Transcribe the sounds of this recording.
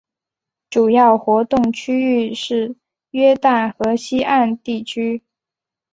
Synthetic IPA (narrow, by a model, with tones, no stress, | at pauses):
ʈ͡ʂu˨˩jɑ˥˩ʊxwɔ˧˥t̪ʊ˥˩ŋt͡ɕʰy˥y˥˧ʂɻ̩˥˩ | ɥɛ˥t̪a˥˩nxɤ˧˥ɕi˥a˥˧nt̪i˥˩t͡ɕʰy˥